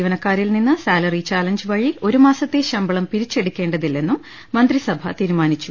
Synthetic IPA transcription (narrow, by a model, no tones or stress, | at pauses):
iːʋɐnɐkːaːɾilninːɨsaːlɐrit͡ɕaːlɐɲd͡ʑɨʋɐɻio̞ɾumaːsɐt̪ːe̞ɕɐmbɐɭɐmpiɾit͡ɕːe̞ɽukʲːe̞ːɳɖɐðilːe̞nːumː | ɐnd̪risɐbʱɐ̰t̪iːɾumaːnit͡ɕːu